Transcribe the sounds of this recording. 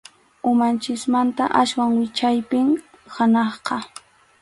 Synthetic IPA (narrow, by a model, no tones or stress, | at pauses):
ʊmant͡ʃɪsmant̪aʔaswaŋwɪt͡ʃajpɪŋ | hanɑχqɑ